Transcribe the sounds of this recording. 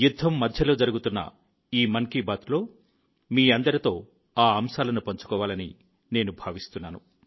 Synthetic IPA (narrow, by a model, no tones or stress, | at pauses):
jud̪ʱːɐmːɐd̪ʱjɐlo̞ːd͡ʒɐɾuɡut̪unːɐ̰ | iːmɐŋkibaːt̪lo̞ː | miːɐnd̪ɐɾit̪o̞ː | aːɐmʃaːlɐnupɐɲt͡ʃu̥kɔːʋaːlɐnḭ | ne̞ːnubʱaːʋist̪unːaːnu